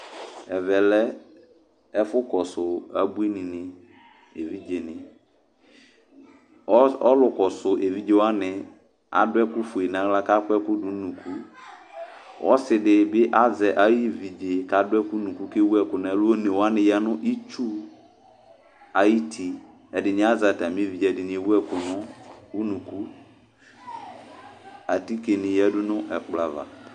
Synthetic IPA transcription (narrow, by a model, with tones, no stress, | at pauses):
ɛ˨vɛ˨lɛ˦ | ɛ˦fʊ˦kɔ˨sʊ˨a˨bu˦e˦nĩ˨nɪ̃˨ | ḛ˨vi˦d͡ʒe˨nɪ̃˨˦ | ɔ˦lʊ˨kɔ˨sʊ˨ʔe˨vi˦d͡ʒe˨wa˦nɪ̃˨ | a̰˨dʊ˦ɛ˦kʊ˦fʊ˨e˨nã˨la˦ka˦kɛ˦kʊ˦dʊ˨nũ˨kʰu˦ | wʔɔ˦sɪ˨dɪ˨bɪ˦ʔa˦zɛ˨ʔa˦ji˦˨vi˨d͡ʒe˨ka˨dʊ˦ɛ˦kʊ˦nũ˨ku˦ke˦wu˦ɛ˨kʊ˨na˦lʊ˦o˦nẽ˨wa˦nɪ̃˨jɛ˦nʊ̃˦ʔi˦t͡ʃu˦ | a˨ji˦tʰi˨ | ɛ˨dɪ˨nɪ̃˨˦a˦za˨ta˨m˦vi˨e˨ɛ˨dɪ˨nɪ̃˨e˨wu˦ɛ˦kʊ˨nɔ̃˦u˦nũ˨ku˦ | a˨ti˦ke˨nɪ̃˨jɛ˦dʊ˦nʊ̃˦ʔɛ˨k͡pla˨va̰˨